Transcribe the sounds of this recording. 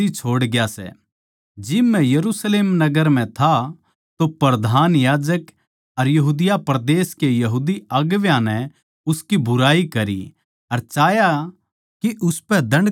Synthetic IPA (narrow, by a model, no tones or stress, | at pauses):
it͡ʃʰoːɽɡjasɛ̰ | d͡ʒɪmːɛ̃jɐɾusleːmnɐɡəɾm̤ɛ̃t̪ʰa | t̪opɾɐd̪ʱaːnjaːd͡ʒək | ɐɾjɐɦuːd̪ɪjapɾɐd̪eːskejɐɦuːd̪iɐɡʋjãnɛ | ʊskibʊɾaːikɐɾḭ | ɐɾt͡ʃaːja | kiʔʊspɛd̪ɐ̃ɳɖ